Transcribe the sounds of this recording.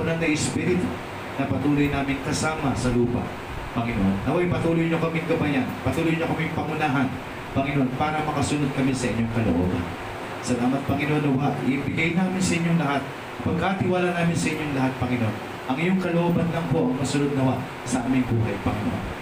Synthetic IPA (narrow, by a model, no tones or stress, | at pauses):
nɐŋnɐʔɪspiɾɪt̪o | nɐpɐt̪uːlo̞jnaːmɪŋkɐsaːmɐsɐluːpɐ̰ | pɐŋɪnoʔonːɐwajpɐt̪uːlojɲokɐmɪŋɡɐbajanpɐt̪uːlojɲokɐmɪŋpɐŋʊnaːɦɐn | pɐŋɪnoʔonpaːɾɐmɐkɐsʊnod̪̚kɐmɪsɐʔɪɲo̞ŋkɐlo̰ʔo̞̰ːbɐ̰n | sɐlaːmɐt̪̚pɐŋɪnoʔonɐwaʔʔɪ̰ʔɪbɪɡajnaːmɪnsɐʔɪɲːoŋlɐɦat̪̚ | pɐɡ̚kːat̪ɪwaːlanaːmɪnsɐʔɪɲːoŋlɐɦat̪̚pɐŋɪnoʔon | ʔɐŋɪjo̞ŋkɐloʔobɐnlɐŋpo̞ʔɐŋmɐsʊnod̪̚nɐwaʔ | sɐʔaːmɪŋbuːɦɐjpɐŋɪno̰ʔo̰n